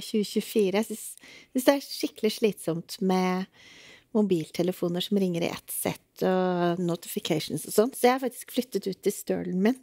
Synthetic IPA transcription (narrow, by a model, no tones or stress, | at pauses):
çʉːəçʉfiːɾəjæsʏnssʏnsd̪ɛæʂɪkːəlɪʂɭiːt̪sɔmt̪mɛ | mʊbiːlt̪ʰɛləfuːnəʂɔmɾɪŋːəɾɪ̰ʔɛ̰t̪sɛ̰t̪ːɔnʊt̪ɪ̥fɪkʰɛɪʂn̩sɔsɔnːsɔjɛæɪhɑɾfɑkt̪ɪ̥skflʏt̪ːət̪ʉːt̪ʰːɪlst̪ø̰ːɭn̩mɪn